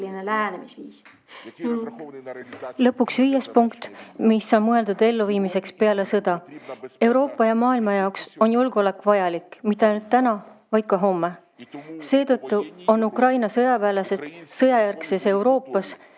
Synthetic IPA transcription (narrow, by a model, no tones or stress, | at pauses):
linelæːnemsi | lɤpːˑuksviːjespuŋkt̪ˑmisːɑːmɤe̞ld̪ud̪̥e̞lːuviːmise̞kspe̞ɑle̞sɤd̪̥ɑe̞wɾo̞ːpːˑɑjɑmɑːilmɑjɑokso̞njulɡ̥ole̞kːvɑjɑlikmit̪ːˑɑjnult̪ːænɑvɑjd̪̥kɑɦo̞mːe̞ | se̞ːt̪ɤ̞t̪ˑːuo̞nukrɑjnɑsɤjɑvæːlese̞d̪̥sɤjɑjærkse̞se̞wɾo̞ːpːˑɑs